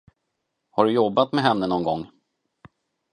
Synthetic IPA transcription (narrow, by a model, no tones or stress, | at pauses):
haɖɵjɔbːat̪mɛɦɛnːənɔnɡɔŋː